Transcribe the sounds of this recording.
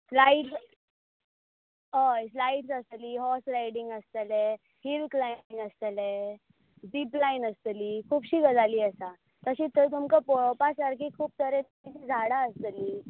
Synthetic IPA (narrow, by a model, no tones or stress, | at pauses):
slaiʈs | əslaiʈsəst̪əliːɦɔsɾaiɽiŋɡəst̪le | hilklanəst̪əle | ɖiːplainəst̪əliːkʰuːpɕiɡəd͡zʱaliːəsa | t̪əɕiːt̪ʰət̪̬umkəpɔɭpasaɾkʰiːkʰuːp̚t̪ʰəɾẽt̪mit͡ɕiːd͡zʱaɽaəst̪əliː